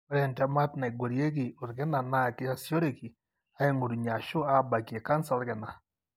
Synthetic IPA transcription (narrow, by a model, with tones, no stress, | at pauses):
o˦ɾɛ˨ntɛ˦ma˦tna˨i˨ɡwo˨ɾje˦ki˨o˨ɾɡɪ˦na˨na˦˨kɪ˦a˦sjo˦ɾe˨ki˨ | a˦e˦ŋu˨ɾu˨ɲa˨ʃo˦a˦ba˨ke˨ka˦nsa˨˦ɾɡɛ˨na˨